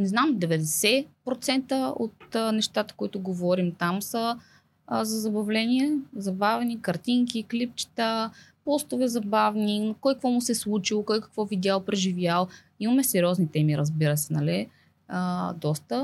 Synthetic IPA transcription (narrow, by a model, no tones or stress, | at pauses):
nɛznamd̪ɛvɛd̪ɛsɛpɾot̪sɛnt̪əo̰t̪nɛʃt̪at̪ə̥koit̪ʊɡovɔɾimt̪amsə | zɐzɐbɐvlɛniɛzɐbavɛnikɐɾt̪iŋkiklipt͡ʃi̥t̪ə | pɔst̪ovɛzɐbavnikɔjkəkvɔmʊsɛslˠut͡ʃilˠokɔjkɐ̥kvɔvid̪ʲalˠpɾɛʒivʲjalˠ | imɐmɛsɛɾʲiɔznit̪ɛmiɾəzbiɾəsɛnɐli | d̪ɔst̪ə